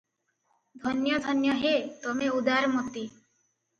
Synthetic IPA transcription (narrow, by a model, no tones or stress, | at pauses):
d̪ʱɔnjɔd̪ʱɔnjɔɦet̪ɔmeud̪aɾmɔt̪i